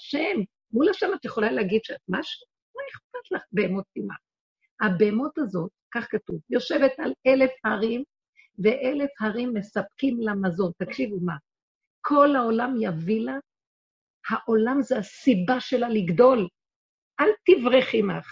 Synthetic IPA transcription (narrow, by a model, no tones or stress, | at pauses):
ʃem | mulaʃemat̪ajeχo̞laleaɡid̪ʃeat̪̚maʃu̥ | maeχp̚at̪laχbeemot̪̚ːima̰ | habeːmutazo̞t̚kaχkatuvjo̞ʃe̞ve̞t̪alelefhaʁim | ve̞ʔele̞fhaʁimːe̞sap̚kimlamazo̞nt̪akʃivuma | kʰo̞lao̞lamjavila | haʔo̞lamzeasibaʃe̞laliɡdo̞l | ʔalt̪ivʁeχimaχ